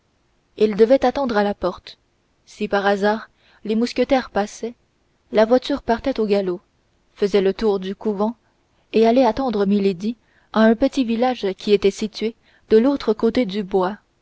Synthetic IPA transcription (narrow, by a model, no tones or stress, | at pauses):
ild̪əvɛt̪at̪ɑ̃d̪ʁalapɔʁt̪ | sipaʁazaːʁ | lemuskʲət̪ɛʁpasɛ | lavwat̪yːʁpaʁt̪ɛt̪oɡalo | fəzɛlət̪uːʁd̪ykuvɑ̃ | ealɛat̪ɑ̃d̪ʁəmiled̪i | aɛ̃pət̪ivilaʒkʲiet̪ɛsit̪ɥe | d̪̥əlot̪χəkot̪ed̪ybwa